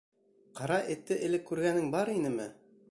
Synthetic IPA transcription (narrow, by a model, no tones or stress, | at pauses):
qɑɾɑʔɘ̆t̪ːɘʔɘ̆lɘkːʉɾɡænɘŋbɑɾinɘmɘ